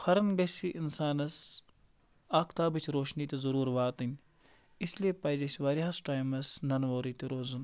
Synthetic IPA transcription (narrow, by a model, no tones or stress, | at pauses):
xɐɾɐnɡɐsiʔinsaːnɐs | aːkʰt̪aːbit͡ʃʰɾoːʃniːt̪ezɐɾuːɾʋaːt̪ɐnʲ | isliepɐːjzɐsʋaːɾasʈaːjmɐsnɐnʋoːɾiːt̪eɾoːzɐn